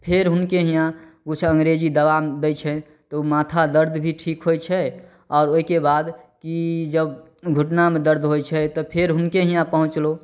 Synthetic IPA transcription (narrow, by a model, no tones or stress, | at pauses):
pʰeɾɦʊnkeɦijãɡut͡ʃʰə̃ŋɡɾed͡ʒid̪əʋamd̪ɛjt͡ʃʰɛ | t̪ɔumat̪ʰad̪əɾd̪ʱbʱiʈʰikɦojt͡ʃʰɛ | ɔːɾoikebad̪kid͡ʒəb | ɡʱuʈnamẽd̪əɾd̪ʱɦojt͡ʃʰɛt̪ɔpʰeɾɦʊnkeɦijãpəɦũt͡ʃlo